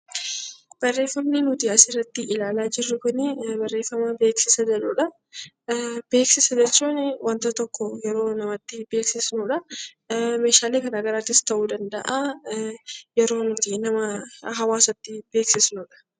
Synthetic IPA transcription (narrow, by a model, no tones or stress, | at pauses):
b̥ɐrːe̞ːfːɐmniːnʊt̪ɪɐsɪrːɐt̪ːɪʔɪlaːlaːd͡ʒɪrːʊkʊnɪbɐrːe̞ːfːɐmaːbe̞ːksɪsɐd͡ʒɛᶑuːᶑɐ | b̥e̞ːksɪsɐd͡ʒɛt͡ʃːuːnwɐnt̪ɐt̪ɔkːɔjɛɾo̞ːnɐmɐt̪ːɪbeːksɪsnuːᶑɐ | me̞ːʃaːleːkɐnaːɡɐɾaːt̪ːɪst̪ɐʔuːd̪ɐnd̪ɐ̰ʔaː | jɛɾo̞ːnʊt̪inɐmɐɦɐwaːsɐt̪ːɪb̥e̞ːksɪsnuːᶑɐ̥